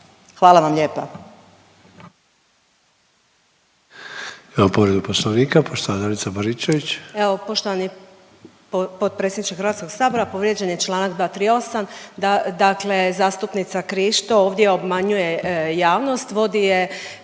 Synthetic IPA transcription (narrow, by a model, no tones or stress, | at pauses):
xʋaːlˠaʋamʎeːpa | imapoʋɾed̪uposloʋniːkapʰoʃt̪oʋad̪anit̪sabaɾit͡ʃeʋit͡ɕeʋo̞po̞ʃt̪oʋani | ppot̪̚pɾesʲenit͡ʃkexɾʋat̪ko̞ɡ̥saːbo̞ɾapo̞ʋɾje̞d͡ʑenjet͡ʃlˠaːnakd̪ʋaːt̪ɾio̞sanad̪akle̞zaːst̪upnit̪sakɾiʃt̪ooːʋd̪je̞obmaɲuje̞jaːʋno̞st̪ʋo̞d̪ije̞